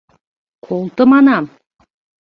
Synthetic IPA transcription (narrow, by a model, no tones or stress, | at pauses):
qʰolˠt̪əmɑnɑm